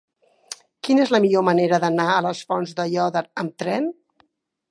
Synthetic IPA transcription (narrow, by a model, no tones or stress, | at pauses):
kinezləmiʎoməneɾəðənaələsfɔnzðəjɔðəɾəmt̪ɾɛn